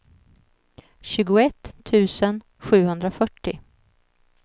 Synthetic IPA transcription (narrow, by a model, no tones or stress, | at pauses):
ɕʉ̟ːɡʊɛt̪ʰːʉ̟ːsən | ɧʉ̟ːhɵnd̪ɾafœʈːɪ